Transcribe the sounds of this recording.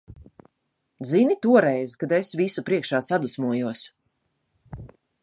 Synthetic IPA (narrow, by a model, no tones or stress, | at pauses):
zinit̪uɔɾɛjzkad̪esvisupɾiɛkʃaːsad̪usmuɔjuɔs